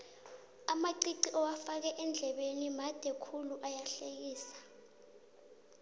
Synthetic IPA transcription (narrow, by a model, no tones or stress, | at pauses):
amaǀiǀiʔɔwafak̬ɛʔɛnd͡ɮʱɛɓenimad̥ʱɛkʰuluʔajaɬek̬iːsḁ